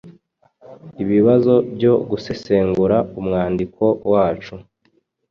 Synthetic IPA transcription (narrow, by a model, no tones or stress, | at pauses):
iβiβazo̞bɟo̞ɡuse̞se̞ːŋɡuɾaumŋaːndikʰo̞waːt͡ʃu